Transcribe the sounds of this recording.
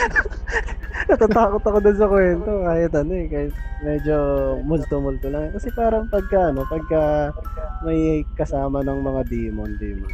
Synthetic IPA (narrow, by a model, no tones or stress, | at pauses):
nɐt̪aːt̪aːkot̪ɐkod̪ons̬ɐkwɛnt̪o̞kaːhɪt̪ɐnoɛkaːhɪt̪̚mɛd͡ʒo̞mʊlt̪omʊlt̪olaŋkɐsɛpaːɾɐŋpɐɡ̚kɐʔɐno̞pɐɡ̚kɐ | mɐjkɐsaːmɐnɐŋmɐŋad̪iːmond̪iːmon